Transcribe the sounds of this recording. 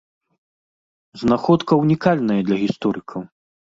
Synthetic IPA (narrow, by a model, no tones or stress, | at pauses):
znaxɔt̪kɐwnʲikalʲnɐjɐd̪lʲɐɣʲist̪ɔɾɨkʰɐw